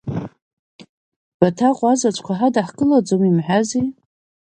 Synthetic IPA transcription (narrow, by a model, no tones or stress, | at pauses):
b̥atʰaqʷʼazat͡ʃʷʰʼkʷʰaħadaħkʼɨlad͡zomimħᶣazi